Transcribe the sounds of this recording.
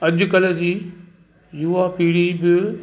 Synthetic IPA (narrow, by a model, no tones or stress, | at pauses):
ɐd͡ʑʊkɐləd͡ʑiː | juapiːɽibɪ